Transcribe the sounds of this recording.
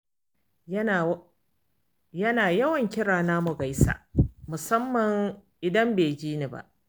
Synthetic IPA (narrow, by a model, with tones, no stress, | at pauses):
jɐ˦naː˨jɐ˦wɐ˨ŋkʲɪ˦ɽaː˨naː˦mʊ˨ɡa˦jsa̰ː˨mʊ˨sɐ˦mːɐ˨ŋʔɪ˨dɐ˦mbeː˨d͡ʒiː˦ni˨ba̰˦˨ʔ